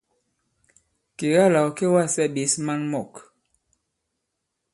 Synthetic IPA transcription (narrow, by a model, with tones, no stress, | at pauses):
ke˨ɣa˦la˨wke˦wa˦˨sɛ˦˨ɓi˨˦sma˦nmɔ˦˨k